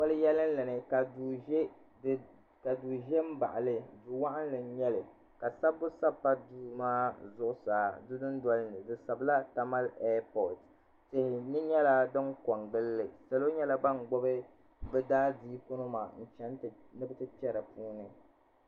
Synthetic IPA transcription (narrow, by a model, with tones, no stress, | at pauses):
kɔ˦lɨ˦jɛ˦lɨ˦n˦la˨nɨ˨ka˨du˨ʒɛ˦˨ | ka˨duː˨ʒɛ˦m̩˦ba̰˨ʔa˨lɨ˨du˨wa˦ʔa˦n˦lɨ˨˦ɲɛ˦lɨ˨ | ka˨sa˦bʊ˦sa˦pːa˦du˦maː˦zʊ˨ʔʊ˦saː˨˦dʊ˦dɨ˦ndɔ˦lɨ˦nɨ˨dɨ˨sa˨bɨ˦la˦ta˦ma˦lɛː˦pɔ˨t | tɪ˨hɪ˨nɨ˦ɲɛ˦la˦dɨ˦ŋkɔ˨ŋɡɨ˦lːɨ˨sa˨lo˦ɲɛ˦la˦ba˦ŋ˨ɡ͡bɔ˦bɨ˦ | bɛ˦daː˦diː˦ko˦nɨ˦ma̰˨n̩˦˨t͡ʃɛ˦n˦˨ | nɨ˦bɨ˦tɨ˦t͡ʃɛ˦ɾɨ˨puː˦nɨ˨